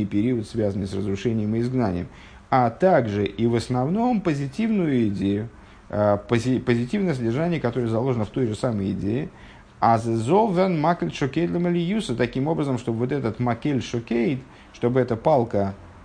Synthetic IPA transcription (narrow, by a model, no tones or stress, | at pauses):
ɨjpʲɪɾʲiʊət̪svʲazənɨjsrəzɾʊʂɛnʲɪjəmɨɪzɡnanʲɪ̰jəm | at̪aɡʐɨʔivəsnɐvno̞mpəzʲɪtʲivnʊjʊɪdʲejʊ | pəɪpəzʲɪtʲivnəjəs̬ədʲɪrʐanʲɪjəkɐt̪o̞ɾəjəzɐlˠo̞ʐənəft̪o̞jʐɨsaməjɪ̰dʲejɪ | azzolˠvʲɛnmakʲəlʲʂokʲejt̪lʲˠəməlʲɪjusət̪ɐkʲimo̞bɾəzəmʂt̪o̞bəvo̞t̪ɛt̪ət̪mɐkʲelʲʂokʲejt̪ | ʂt̪o̞bɨɛt̪əpalˠkə